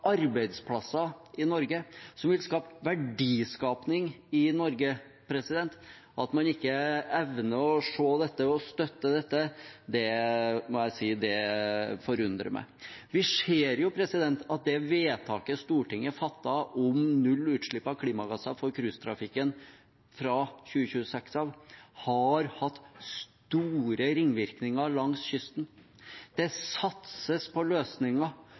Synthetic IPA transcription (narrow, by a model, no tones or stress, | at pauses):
ʔɑɾbæɪd̪spʰlɑsːɑɪnɔɾɡəsɔmʋɪlskɑːp̪ʋæɖiːskɑːpnɪŋɪnɔɾɡə | pʰɾɛsɪd̪ɛnt̪ | ɑt̪mɑnɪkːəɛʋnəɔʂoːd̪ɛt̪ːəɔst̪œt̪ːəd̪ɛt̪ːəd̪ɛmɔjæɪsiːd̪ɛfɔɾʉnd̪ɾə̰mʔæ̰ɪʋɪʂeːɾjʊpʰɾɛsɪd̪ɛnt̪ɑt̪̚d̪ɛʋeːt̪ʰɑːkəst̪uːʈɪŋːəfɑt̪ːɑʔɔmnʉlːʉːt̪ʂɭɪpːɑʋkʰliːmɑɡɑsːɑfɔɾkʰɾʉst̪ʰɾɑfɪkːən | fɾɑɕʉːəɕʉːəsɛksɑʋhɑɾhɑt̪ːst̪uːɾəɾɪŋːʋɪɾknɪŋɑlɑŋsɕʏst̪n | d̪̥ɛsɑt̪səspʰɔløːsnɪŋɑ